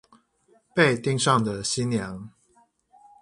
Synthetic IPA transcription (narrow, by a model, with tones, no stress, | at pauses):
pe˥˧ɪt̪i˥˧ŋʂɑ˥˩ŋd̪ə˩ɕi˦njɑ˨˧˥ŋ